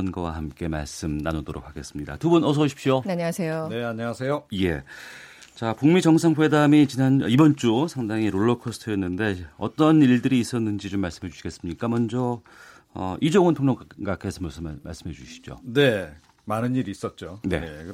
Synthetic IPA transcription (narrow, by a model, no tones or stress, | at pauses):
ʌnɡawa̰hamk͈e̞ma̰ɭs͈ɯmnanodoɾo̰k̚haɡe̞s͈ɯmɲida̰tubunʌs̬ʰʌɕʰi̥pɕioaɲwasʰejoneaɲaasʰejoje̞ | t͡ɕapuŋmid͡ʑʌŋsʰaŋɸe̞damit͡ɕinanibʌnt͡ɕ͈usʰaŋdaŋiɾoɭːʌkʰosʰtʰɯjʌnːɯnde̞ʌ̰t͈ʌniɭdɯɾiːs͈ʌnːɯnd͡ʑit͡ɕomːaɭs͈ɯmɦe̞d͡ʑuɕi̥ɡe̞s͈ɯmɲik͈amʌnd͡ʑʌ | ʌ̰ʔid͡ʑoŋɯntʰoŋɲoɡakʰesʰʌmosʌma̰ɭs͈ɯmɦe̞d͡ʑuɕʰi̥d͡ʑo̰ne̞ | manɯniɾiːs͈ʌt̚t͡ɕ͈one̞̰